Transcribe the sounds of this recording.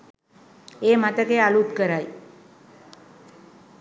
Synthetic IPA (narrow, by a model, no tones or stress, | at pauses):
eːmat̪əkealut̪kəɾaj